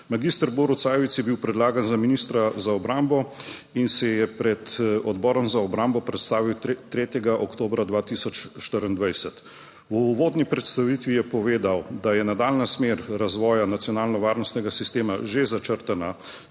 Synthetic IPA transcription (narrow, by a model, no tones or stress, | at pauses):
maɡist̪əɾboɾut̪saːjɛʋit̪sjɛbiwpɾɛd̪laːɡanzaminist̪ɾazaɔbɾambɔinsɛjɛpɾɛt̪ɔd̪bɔːɾɔmzaɔbɾambɔpɾɛt̪st̪aːʋiwt̪ɾeːt̪jɛɡaʔɔkt̪oːbɾad̪ʋaːt̪isɔt͡ʃʃt̪əɾənd̪ʋajsɛt̪ | wʋoːd̪nipɾɛt̪st̪aʋit̪ʋijɛpɔʋeːd̪awd̪ajɛnad̪aːlnasmeːɾɾazʋɔːjanat̪sjɔnaːlnɔʋaːɾnɔst̪nɛɡasist̪eːma̰ʒezat͡ʃəɾt̪ana